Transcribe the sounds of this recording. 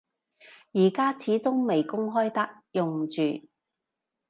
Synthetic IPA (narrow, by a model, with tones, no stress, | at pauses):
jiː˨˩kaː˥t͡sʰiː˨˥t͡sʊ˥ŋme˨jkʊ˥ŋɦɔː˥jt̪ɐ˥k̚ | jʊ˨˩ŋt͡ʃyː˨